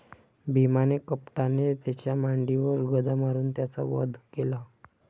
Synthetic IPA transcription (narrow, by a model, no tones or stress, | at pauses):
bʱimanekəpʈanet̪jat͡ɕjamaɳɖiʋəɾɡəd̪amaɾuːnt̪jat͡sa̰ʋɔ̰d̪ʱkela